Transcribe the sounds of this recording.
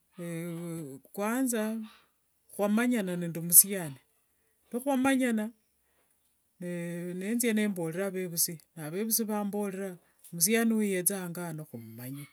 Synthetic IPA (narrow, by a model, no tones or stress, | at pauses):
e | kwaːnza | xwamaɲananendumusjani | noxwamaɲana | nenenzjene̞ːmbo̞leɾaβe̞βusinaβe̞βusiβaːmbo̞leɾa | mus̬janiwujet͡saŋɡanoxumumaɲa